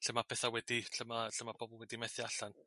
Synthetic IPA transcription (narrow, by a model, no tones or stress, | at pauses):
ɬəmapʰɛθawɛdiɬəmaɬəmabʰɔbɔlˠwɛdimɛθɪaɬan